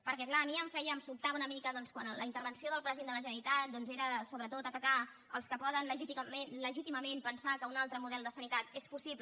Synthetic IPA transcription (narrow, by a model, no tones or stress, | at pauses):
pəɾkɛklaːmiəɱfɛjəmsulˠt̪aβunəmikəðɔnskwanləint̪əɾβənsioðəlˠpɾəzend̪ələʒənəɾit̪at̪̚d̪ɔnzeɾəsoβɾət̪ot̪ət̪əka | əlˠskəpɔðənləʒit̪imenləʒit̪iməmenpənsakəunalˠt̪ɾəmuðɛlˠd̪əsənit̪at̪espusip